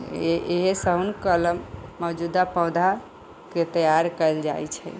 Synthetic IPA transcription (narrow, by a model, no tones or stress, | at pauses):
eɦesəɦunkələmːɔd͡ʒud̪apɔwd̪ʱa | ket̪əjaɾkəld͡ʒa̰jt͡ʃʰɛ̰